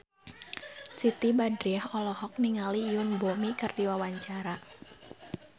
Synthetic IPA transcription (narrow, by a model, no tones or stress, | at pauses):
sit̪ibadɾiaɦɔlɔhɔk̚niŋaliʊnbomikɨrdiwawaɲt͡ʃaɾa